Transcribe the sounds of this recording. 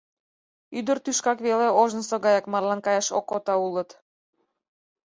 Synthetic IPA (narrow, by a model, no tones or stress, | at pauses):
yd̪ərt̪yʃkɑkβeleoʒnəsoɣɑjɑkmɑrlɑnkɑjɑʃo̰kot̪ɑulət̪